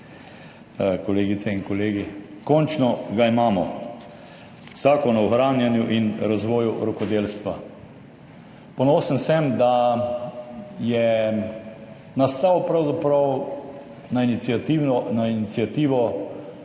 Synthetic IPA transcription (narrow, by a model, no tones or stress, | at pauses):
kɔleːɡit̪sɛinkɔleːɡikɔnt͡ʃnɔɡaimaːmɔ | z̥aːkɔnɔɔxɾaːnjanjuʔinɾazʋɔːjuɾɔkɔd̪eːlst̪ʋa | pɔnoːsənsɛmd̪a | jɛ | nast̪aːwpɾawzapɾaw | nainiiat̪inɔnainit̪sjat̪iːʋɔ